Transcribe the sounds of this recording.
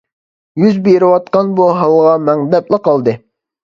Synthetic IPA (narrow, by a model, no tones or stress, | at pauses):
jyzbeɾɪwɑt̪̚qɑnbuɦɑlˠʁɑmɛŋd̪ɛplˠəqɑlˠd̪ɨ